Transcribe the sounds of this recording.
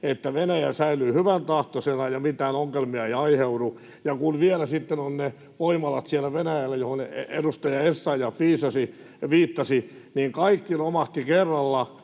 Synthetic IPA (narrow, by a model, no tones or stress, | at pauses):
et̪ːæʋenæjæsæylyːhyʋænt̪ɑht̪osenɑjɑmit̪æːnoŋːelmiɑeijɑiheuɾu | jɑkunʋielæsit̪ːenonne | ʋoimɑlɑt̪sielːˑæʋenæjælːæjohonedust̪ɑjɑesːɑijɑfʋiːsɑsi | ʋiːt̪ːɑsi | niŋkɑikːilomɑht̪ikerːɑlːɑ